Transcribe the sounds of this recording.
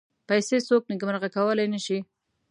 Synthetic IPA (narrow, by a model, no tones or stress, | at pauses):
pajsesok̚nɪɡməɾɣakawəlajnəʃi